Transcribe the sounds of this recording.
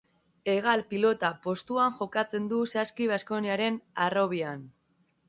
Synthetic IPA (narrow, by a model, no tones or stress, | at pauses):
e̞ɣalpilo̞t̪apo̞st̪uaŋʝo̞kat͡se̞nd̪usaskiβ̞asko̞niaɾe̞naro̞β̞ian